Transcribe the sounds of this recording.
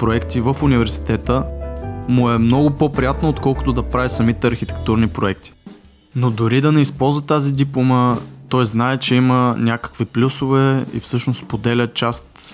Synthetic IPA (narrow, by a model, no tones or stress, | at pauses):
pɾoɛkt̪ivəfʊnivɛɾsi̥t̪ɛt̪ə | mʊɛmnɔɡʊpopɾijat̪noot̪kɔlˠkʊ̥t̪ʊd̪ɐpɾavisɐmit̪ɛɐɾxit̪ɛ̥k̚t̪uɾnipɾoɛk̚t̪i̥ | nod̪ʊɾid̪ɐnɛispɔlˠzvɐt̪azid̪iplˠomət̪ɔjznaɛt͡ʃɛimənʲakə̥kviplʲusovɛḭfsɤʃnospod̪ɛlʲət͡ʃast̪